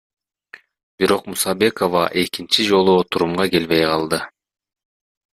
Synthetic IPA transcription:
biɾo̞qmusɑbe̞ko̞vɑ̰ʔe̞kint͡ʃid͡ʒo̞lˠuot̪ʰuɾumʁɑke̞lβe̞jqʰɑlˠd̪ɯ

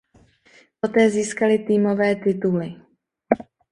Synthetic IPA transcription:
po̞t̪ɛːziːskalɪt̪iːmo̞vɛːt̪ɪt̪ulɪ

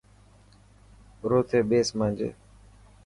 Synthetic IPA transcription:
ɾoːt̪ʰeːɓeːsmãːnd͡ʒḛː

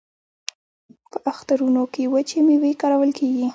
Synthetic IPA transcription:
pəʔaxt̪aɾunokewət͡ʃemewekaɾawəlkʰeɡi

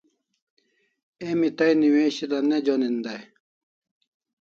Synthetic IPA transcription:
emit̪ɐjniweːɕilɐned͡ʑonind̪ɐj

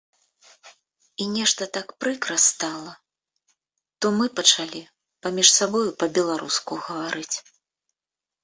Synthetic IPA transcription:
inʲɛʂt̪ɐt̪akpɾɨkɾɐst̪alˠɐ | t̪ɔmɨpɐt͡ʂalʲi | pamʲiʂsabɔjupɐbʲɛlˠaɾṵskuɣɐvaɾʔɨt͡sʲ

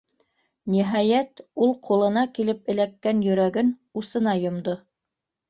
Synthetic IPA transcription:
niɦɑjæt̪ulˠqulˠɤ̆nɑkilɘpɘ̆lækːænjɵ̆ɾæɡɘnusɤ̆nɑjŏmd̪o

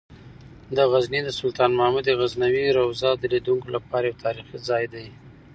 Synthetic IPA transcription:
d̪əɣaznid̪əsʊlt̪ɑnmahmud̪eɣaznawiɾawzɑd̪əlid̪uŋkolapɑɾajawt̪ʰɑɾixizɑjd̪aj

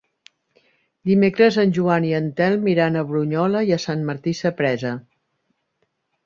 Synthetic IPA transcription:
d̪imekɾəzənʲʒuaniənt̪ɛlˠmiɾanəβɾuɲɔləjəsanməɾt̪isəpɾɛzə

